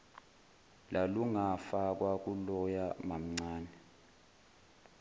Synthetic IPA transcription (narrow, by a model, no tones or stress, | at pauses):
laluŋafak̬wak̬ʼulɔjamam̩ŋ͡ǀaːnɛ